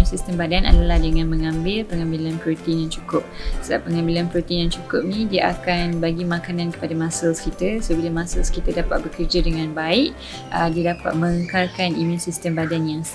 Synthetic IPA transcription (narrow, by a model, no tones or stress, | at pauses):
nsist̪əmbadanʔa̰dalahdəŋãnməŋãmbɪlpəŋãmbilanpɾot̪ːnjaŋt͡ʃu̥kʊp̚səda̰pːəŋãmbilanpɾot̪injaŋt͡ʃukʊp̚nĩdiaʔakanbaɡimãkanãnkə̥padamãsalskit̪asobilamãsalskit̪adapa̰t̪̚bəkərd͡ʒadəŋãnbaɪʔ | ədiədapa̰t̪̚mə̃ŋəŋkarkanimũnsist̪əmbadanjaŋs